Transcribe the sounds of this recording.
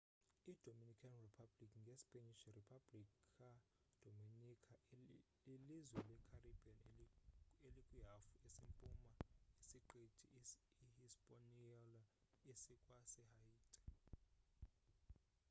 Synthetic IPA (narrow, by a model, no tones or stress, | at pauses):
id̥ʱominikʰanripʰab̥likʰŋɡʱespʼeniʃripʰab̥likʰa | d̥ʱominikʰa | ilizwɛlɛkʰarib̥ʱian | elikʼwiɦafuesimpʼumaisiǃitʰiʔihispʼoniɔlaisikʼwasɛhaiːtʼḁ